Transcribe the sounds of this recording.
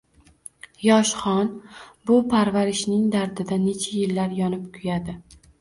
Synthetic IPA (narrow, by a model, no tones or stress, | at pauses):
jɒʃχɒnbʊpʰaɾvaɾɪʃnɪŋd̪aɾd̪ɪd̪ane̞t͡ʃʰajɪlːaɾjɒnɪpkʰʊjad̪ɪ